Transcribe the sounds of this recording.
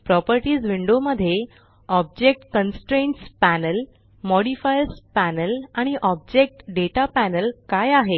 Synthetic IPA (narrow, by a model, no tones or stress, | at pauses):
pɾɔpəɾʈiːd͡zʋiɳɖoməd̪ʱːje | ɔb̚d͡ʑek̚ʈkənsʈɾeɳʈspænəl | mɔɽifajəɾspænəlaɽ̃iʔɔb̚d͡ʑek̚ʈɖeʈapænəlkajaɦe